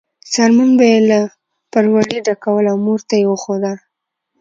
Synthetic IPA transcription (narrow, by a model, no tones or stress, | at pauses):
saɾmanbajela | paɾwaliɖakawəlawmuɾt̪ajewəxod̪al